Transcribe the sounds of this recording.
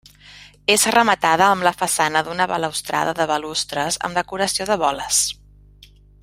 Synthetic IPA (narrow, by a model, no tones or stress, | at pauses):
ezrəmət̪að̞əːmləfəsanəðunəβə̰ləwst̪ɾa̰ðəðəβəlust̪ɾəzə̰md̪əkuɾəsioðəβɔləs